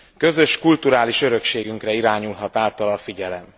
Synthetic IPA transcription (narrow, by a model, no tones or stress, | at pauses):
kø̞zø̞ʃkult̪uɾaːliʃø̞ɾø̞kʃeːɡyŋkrɛiɾaːɲulɦɒt̪aːlt̪ɒlɒfiɟɛlɛm